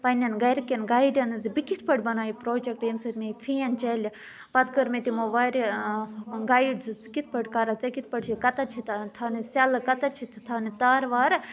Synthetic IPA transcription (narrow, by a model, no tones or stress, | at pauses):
pɐnʲɐnɡɐjɾkʲenɡaːjɖʲɐnɨzɨbikit̪ʰpɐʈʲbɐnaːjipɾoːd͡ʒek̚ʈemsɐt̪mefʰeːnt͡ʃɐlʲi | pɐt̪ʰkəɾmet̪imoʋaːɾʲi | ɡaːiɖzɨt͡skit̪ʰpɐʈkɐɾɐt͡sɐkit̪̚ʰpɐɖʲt͡ʃʰikɐt̪ɐt͡ʃʰit̪ʰt̪ʰanisʲɐlɨkɐt̪ɐt͡ʃʰit̪ʰt̪ʰanit̪aːɾʋaːɾ